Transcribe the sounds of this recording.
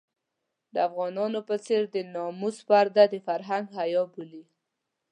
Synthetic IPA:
d̪əafɣɑnɑnopət͡seɾd̪ənɑmuspaɾd̪ad̪əfaɾɦaŋɡhajɑbuli

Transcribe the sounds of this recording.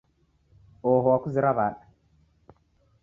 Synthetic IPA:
oɦowakuziɾavaɗ

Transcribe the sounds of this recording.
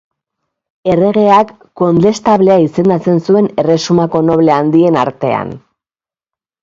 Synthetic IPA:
e̞re̞ɣe̞akː | o̞nd̪e̞st̪aβle̞aise̞nd̪at͡se̞nsue̞ne̞re̞sumako̞no̞βle̞and̪ie̞na̰ɾt̪e̞a̰n

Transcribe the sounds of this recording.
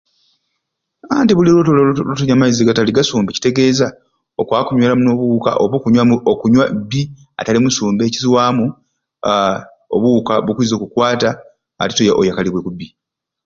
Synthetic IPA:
antiβulilotololotoɲamaiziɡataliɡasuːmbeci̥te̞ɡe̞ːza | okwakuɲwalamuno̞ːβuka̰ʔoβokuɲwamuokuɲwabːi | a̰talimusuːmbe̞ːciziwaːmu | o̰βukaβukuizo̞kukwaːta | a̰ti̥tojaʔo̰jakaliβwekubːi

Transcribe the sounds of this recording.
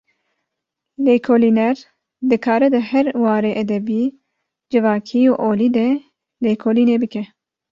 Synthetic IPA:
leːkʰoliːnɛɾ | d̪ɨkʰɑːɾɛd̪ɨhɛɾwɑːɾeːʔɛd̪ɛbiː | d͡ʒɨvɑːkʰioːʔoːliːd̪ɛ | leːkʰoːliːneːbɨkɛ

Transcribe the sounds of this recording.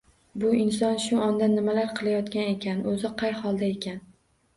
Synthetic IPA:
bʊɪnsɒnʃʊʔɒnd̪anːɪmalaɾqʰɨlˠajɒt̪kʲane̞kʲanɵzɪqʰɑjχɒlˠd̪ae̞kʲʰan

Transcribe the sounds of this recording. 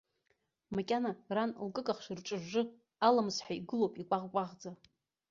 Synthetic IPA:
makʲʼanaranlkʼɨkʼaχʂrʈ͡ʂʼɨʒːɨ | alamsħaiɡɨlowpʼikʷʼaʁkʷʼaʁd͡za

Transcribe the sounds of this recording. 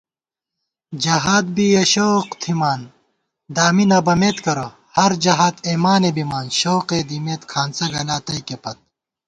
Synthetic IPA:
d͡ʑɐɦaːd̪̚biɐɕoːqt̪ʰimaːn | d̪aːminɐbɐmeːt̪kɐɾo | hɐɾd͡ʑɐɦaːt̪eːmaːnebimaːnɕoːqed̪imeːt̪kʰaːnsɐɡɐlaːt̪ɐjkepɐt̪̚

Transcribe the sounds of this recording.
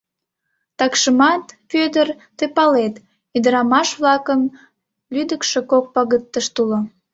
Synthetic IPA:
t̪ɑkʃəmɑt̪pød̪ər | t̪epɑlet̪ | id̪əɾɑmɑʃβlɑkəm | lyd̪əkʃe̽kok̚pɑɣət̪ːəʃt̪ulo

